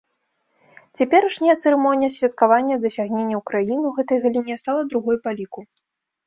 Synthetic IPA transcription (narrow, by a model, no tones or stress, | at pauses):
t͡sʲapʲɛɾɐʂnʲɛjɐt̪sɛɾɛmɔnʲijɐsʲvʲɐt̪kavanʲːɐd̪ɐsʲaɣnʲenʲːɐwkɾajinɨuɣɛt̪ɐjɣɐlʲinʲɛst̪alˠɐd̪ɾuɣɔjpalʲiku